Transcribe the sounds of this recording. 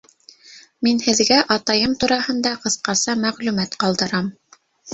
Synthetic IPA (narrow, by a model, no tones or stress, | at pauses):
minhɘ̆ðɡæʔɑt̪ɑjɤmt̪uɾɑhɤ̆nd̪ɑqɤ̆θqɑsɑmæʁlʉmæt̪qɑlˠd̪ɤ̆ɾɑm